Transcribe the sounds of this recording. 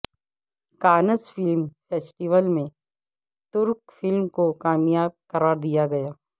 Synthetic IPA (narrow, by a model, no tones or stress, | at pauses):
kaːnəsfɪlmfeːsʈiʋəlmẽ | t̪ʊɾkfɪlmkokaːmjaːb̚kɐɾaːɾd̪ijaɡɐjaː